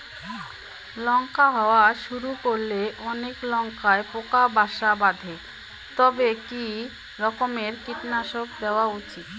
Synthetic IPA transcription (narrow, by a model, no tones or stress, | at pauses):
lɔŋkaɦɔoaʃuɾukoɾleʔɔneklɔŋkaepokabaʃabad̪ʱe | t̪ɔbeki | ɾɔkomeɾkiʈnaʃok̚d̪eoaut͡ɕit̪